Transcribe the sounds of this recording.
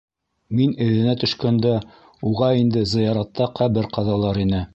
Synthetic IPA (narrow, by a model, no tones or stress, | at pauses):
minɘ̆ðɘ̆næt̪ɵ̆ʃkænd̪æ | uʁɑind̪ɘzɤ̆jɑɾɑt̪ːɑqʰæβɘɾqɑðɑlˠɑɾinɘ